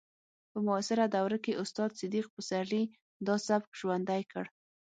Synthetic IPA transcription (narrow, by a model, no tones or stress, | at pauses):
pəmʊasɪɾad̪awɾakeʔʊst̪ɑd̪sɪd̪iq̚pəsaɾli | d̪ɑsabkʒ̥wand̪ajkə̰ɽ